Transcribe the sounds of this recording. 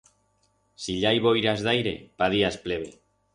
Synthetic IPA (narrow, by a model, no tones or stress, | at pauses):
siʎajβojɾazðajɾe̞̰paðiaspleβḛ